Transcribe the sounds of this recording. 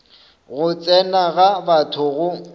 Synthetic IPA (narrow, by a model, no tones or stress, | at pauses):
ɣʊt͡sʼɛnaɣabatʰʊɣʊ